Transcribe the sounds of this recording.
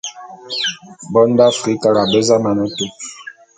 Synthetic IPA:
bɔ˦n˦da˦fɾi˦ka˦ɾa˨bɛ˦za˦ma˨nɛ˦te˦

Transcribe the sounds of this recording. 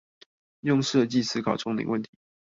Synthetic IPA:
jʊ˥˧ŋʂɤ˥˧t͡ɕi˥˧sɹ̩˥kʰɑ˨˩ʊʈ͡ʂʊ˥ŋlḭ˨˦ŋwə˥˩nt̪ʰi˨˦

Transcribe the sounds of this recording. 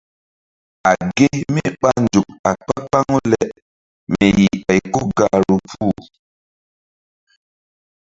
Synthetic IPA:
a˨ɡe˦mi˦ɓa˦nd͡ʒu˨k̚a˨k͡pa˦k͡pa˦ŋo˦lɛ˨ | me˨ji˨a˨i˨ku˦ɡa˨ɾu˨p͡fu˦˨

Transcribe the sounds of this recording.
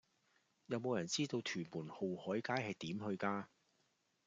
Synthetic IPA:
jɐ˨˧wmo˨˧wjɐ˨˩nt͡siː˥t̪o˧wt̪ʰyː˨˩nmuː˨˩nho˨whɔː˨˥jkaː˥jhɐ˨jt̪iː˨˥mhɵ˧ɥkaː˧

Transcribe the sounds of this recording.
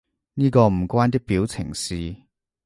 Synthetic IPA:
niː˥kɔː˧m̩˨˩kwaː˥nt̪̬ɪ˥k̚piː˨˥wt͡sʰɪ˨˩ŋsiː˧

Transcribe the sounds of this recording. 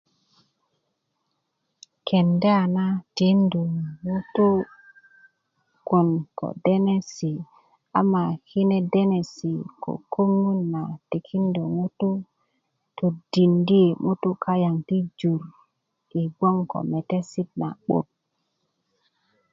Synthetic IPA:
kʰe˨nde˦a˨na˦ti˨˦ndu˨ŋu˦tu˦ | ko˨nko̰˨de˦ne˦si˨ | a̰˨ma˨hi˦ne˦de˦ne˨si˨kʰo̰˨kʰo˦ŋu˦nːa˨ti˨kʰi˦ndo˨ŋu˦tu˦ | to˨di˨ndi˦e˨mu˦t̪u˦kʰa˦ja˨ŋti˦d͡ʒu˨ɾ | i˨ɡ͡bo˦ŋko̰˨me˨te˦si˦t̚na̰˨ɓo̰˨t̚

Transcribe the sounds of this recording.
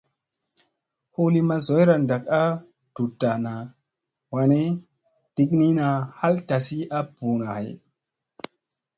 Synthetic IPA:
hu˦li˦ma˧zo˨˦jɾa˨nda˨ka˦ | d̥u˨tːa˨na˨ | wa˨ne˦ | d̥i˦kni˦na˨ha˦lta˨si˦a˦b̥uː˨na˨ha̰˨j

